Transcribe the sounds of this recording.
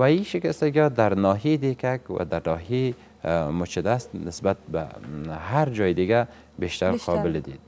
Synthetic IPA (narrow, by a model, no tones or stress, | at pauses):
waiʃɪkast̪aɡiɔd̪aɾnɔɦed̪ekakwa̰d̪aɾnɔɦe | mʊt͡ʃɪd̪ast̪nɪsbat̪̚ba̰haɾd͡ʒɒjɪd̪ɪɡa | beʃt̪aɾqʰɔbɪld̪id̪̚